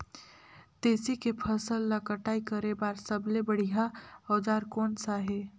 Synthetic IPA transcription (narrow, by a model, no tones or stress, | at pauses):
t̪eːsikepʰəsəlːakəʈaːikəɾebaːɾsəblebəɽ̤iɦaɔːd͡ʒaːɾkɔːnsaɦe